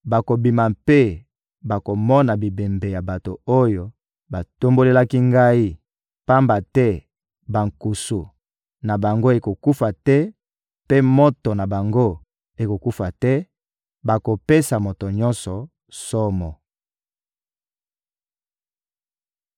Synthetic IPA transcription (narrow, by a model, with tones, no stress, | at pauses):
ba˨ko˨bi˨ma˨mpe˦ | ba˨ko˨mɔ˦na˨bi˨be˨mbe˨ja˨ba˨to˨o˦jo˨ | ba˨to˦mbo˦le˦la˦ki˦ŋɡa˦i˦ | pa˦mba˨tɛ˦ | ba˨ŋku˨su˨ | na˨ba˨ŋɡo˦e˨ko˨ku˦fa˨tɛ˦ | pe˦mo˦tɔ˨na˨ba˨ŋɡo˦ | e˨ko˨ku˦fa˨tɛ˦ | ba˨ko˨pe˦sa˨mo˨to˨ɲɔ˦nsɔ˨ | sɔ˦mɔ˨